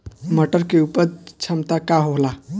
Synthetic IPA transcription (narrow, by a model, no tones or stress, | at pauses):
məʈəɾkeupəɾt͡ʃʰəmt̪akaɦoɦla